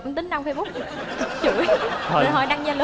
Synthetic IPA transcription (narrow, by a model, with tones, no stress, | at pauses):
kʊ̰˧˥ŋ͡mt̪ï˨˦ŋ̟ɗa˧wfaː˧jfʊ˦˥˨ | t͡ɕɨ˧˩˦əjɦɔ̰˧˩jɗa˧ŋzaː˧ləː˨˦